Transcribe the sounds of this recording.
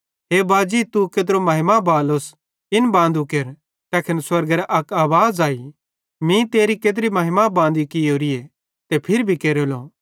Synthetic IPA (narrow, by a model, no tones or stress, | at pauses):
ɦeːbaːd͡ʒit̪uked̪ɾomɐɦɪmabaːlos | ɪnbãːnd̪ukeɾ | t̪ɛːkʰɪnswɐɾɡɾaʔɐkaːʋaːzaːi | mĩt̪eːɾiked̪̬ɾimɐɦɪmabãːnd̪ikɪoːɾije | t̪epʰɪɾbʱikeːɾolo